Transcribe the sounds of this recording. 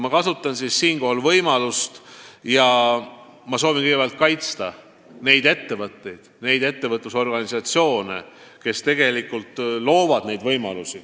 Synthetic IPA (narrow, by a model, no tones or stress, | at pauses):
mɑkɑsut̪ːˑɑnsissiːnko̞ɦɑlvɤjmɑlust̪jɑ | mɑsoːvinkɯɡe̥æɑlt̪̚kɑjt̪st̪ɑ | ne̞jd̪e̞t̪ːe̞vɤt̪ːe̞jd̪̥ne̞jd̪e̞t̪ːe̞vɤt̪ːˑuso̞rɡ̥ɑnisɑt̪sio̞ːnḛ | ke̞st̪e̞ɡ̥e̞likːult̪lo̞ːvɑd̪̥ne̞jd̪vɤjmɑ̰lusi